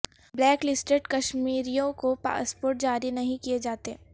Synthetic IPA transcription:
blɛːklɪsʈeɖkɐʃmiːɾijõkopa̰ːspoːɾʈ̚d͡ʒaːɾinɐɦĩkijed͡ʒaːt̪e

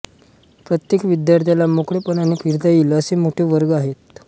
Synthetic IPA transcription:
pɾət̪jekʋid̪jaɾt̪ʰjalamokɽepəɳənekɦiɾt̪ajiləəsemoʈʰeʋəɾɡaɦet̪̚

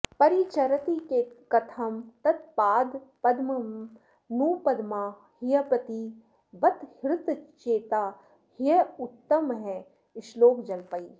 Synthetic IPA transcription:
pɐɾiːt͡ʃɐɾɐt̪ikekɐt̪ʰɐmt̪ɐt̪̚paːd̪pɐd̪mɐm | nuːpɐd̪maː | hijɐpɐt̪i | bɐt̪hɪɾt̪t͡ʃeːt̪aː | hɪjɐʊt̪ːəmɦɛ̃ | ɪʃloːkd͡ʒɐlpəiː

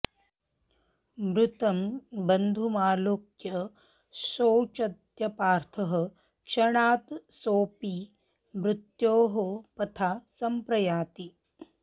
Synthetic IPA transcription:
mɾut̪ɐmbɐnd̪ʱumaːloːkjɐ | soːt͡ʃɐt̪jɐpaːɾt̪ʰɐɦɐ̆ | kʃɐɳaːt̪soːpi | mɾɪt̪joːɦopɐt̪ʰaːsɐmpɾɐjaːt̪i

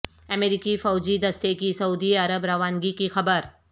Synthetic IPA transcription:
ɐmeːɾiːkifɔːd͡ʒid̪ɐst̪ekisɐuːd̪iɐɾəbɾaːʋaːnɡikixɐbəɾ

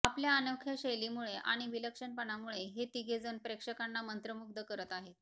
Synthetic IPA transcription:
apljaːnəkʰjaɕejlimuɭeʔa̰ɽ̃iʋiləkʂənpəɳamuɭeɦet̪iɡʱed͡zənpɾekʂəkanːamənt̪ɾəmuɡ̚d̪əkəɾət̪aɦet̪

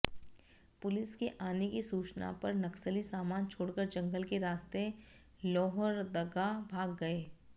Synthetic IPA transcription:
pʊlɪskeʔaːnekisuːt͡ʃna̰pɐɾnɐksəlisaːmaːnt͡ʃʰoːɽkəɾd͡ʒɐ̃ŋɡəlkeɾaːst̪e | lɔːɦɔɾd̪ɐɡabʱaːɡːɐeː

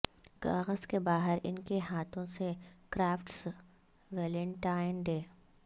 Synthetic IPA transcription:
kaːɣəzkebaːɦəɾɪ̰nkeɦaːt̪ʰõsekɾaːfʈs | ʋɛːlə̃ɳʈaːɪnɖeː

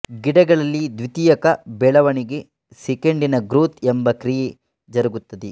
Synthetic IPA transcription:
ɡiɽɐɡɐɭɐlːid̪ʋit̪iːjɐkɐbɛɭɐʋɐɳiɡe̞ | sɛkeɳɖinɐɡɾuːt̪embɐkɾije | d͡ʒɐɾɐɡut̪ːɐd̪e

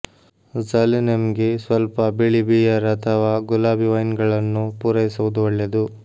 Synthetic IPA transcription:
zɐlnemɐɡesʋɐlpɐbeɭibijɐɾɐt̪ʰɐʋaːɡulaːbʱiʋɐjnɡɐɭɐnːupuːɾɐjisuʋud̪uʋɐɭːed̪u

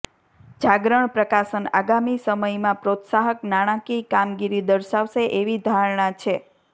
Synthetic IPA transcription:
d͡ʒaɡɾəɳpɾəkasəna̰ɡamisəməjmãpɾot̪saɦəknaɽ̃ãkikamɡiɾid̪əɾʃaʋʃeʔeʋid̪ʱaɾɳãt͡ʃʰe

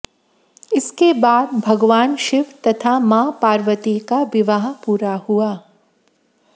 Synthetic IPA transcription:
ɪskebaːd̪̚bʱɐɡʋaːnʃɪʋt̪ɐt̪ʰamaːpaːɾʋət̪ikaʋɪʋaɦpuːɾahuaː

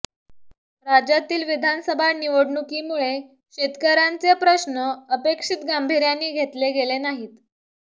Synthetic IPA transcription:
ɾad͡ʑat̪iːlʋid̪ʱansəbʱaniʋəɽɳukimuɭe | ɕet̪kəɾant͡sepɾəɕnəəpekʂit̪ɡambʱiɾjanːiːɡʱet̪leɡelenaɦiːt̪

